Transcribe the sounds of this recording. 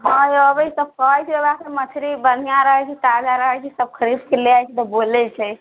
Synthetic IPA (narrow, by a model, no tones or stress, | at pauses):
ɦə̃jəbəjsəb̚kəɦəjt͡ʃʰibebakemət̪ʰiɾibən̤ijaɾəɦət͡ʃʰit̪ad͡ʒaɾəɦɛt͡ʃʰisəb̚kʰəɾibkeleajt͡ʃʰit̪ɔbolɛt͡ʃʰɛ